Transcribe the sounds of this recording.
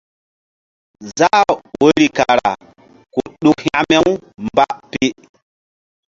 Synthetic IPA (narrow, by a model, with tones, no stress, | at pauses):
za˦wo˦ɾi˨ka˨ɾa̰˨ | ko˨ɗu˦khã˦ʔme˦wmba˦ʔpe˦